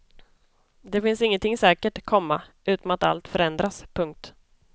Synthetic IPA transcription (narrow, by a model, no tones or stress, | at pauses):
d̪ɛfɪnsɪŋːənt̪ʰɪŋsɛːkəʈkʰɔmːa | ʉ̟ːt̪amat̪a̰lt̪fœɾɛnd̪ɾaspʰɵŋk̚t̪